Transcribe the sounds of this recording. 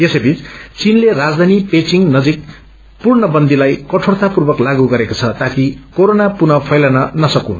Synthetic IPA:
jesʌjbit͡st͡sinlerad͡zd̪ʱanipet͡siŋnʌd͡zik̚ | purnʌbʌnd̪ʱilajkʌʈʰort̪apurbʌklaɡuɡʌɾekot͡sʰʌt̪akikoɾonapunʌpʰʌjlanʌnʌsʌkũn

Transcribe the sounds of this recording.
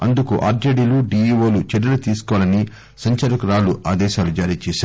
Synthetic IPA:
ɐnd̪ukuʔaːɾd͡ʒɐɖiluɖiːiːʋoːlut͡ʃɛɖɐlut̪iːsu̥kɔʋlɐni | sɐɲt͡ʃɐɾukɾaːluʔaːd̪ɛːʃaːlud͡ʒaːɾiːt͡ʃɛːʃaːɾ

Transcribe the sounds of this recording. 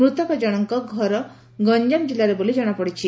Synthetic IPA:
ɾut̪ɔpad͡ʒɔɽ̃ɔŋkɔɡʱɔɾɔ | ɡɔɲd͡ʒamd͡ʒilaɾebolid͡ʒɔɽ̃apɔɽit͡ʃʰi

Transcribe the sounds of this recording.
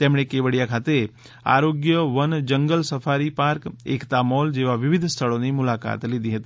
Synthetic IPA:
t̪emɽ̃ekeʋəɽijakʰat̪e | a̰ɾoɡjəʋənd͡ʒəŋɡəlsəfʰaɾipaɾkḛkt̪amɔld͡ʒeʋaʋɪʋɪd̪ʱst̪ʰəɭonimʊlaka̰t̪lid̪iɦət̪i

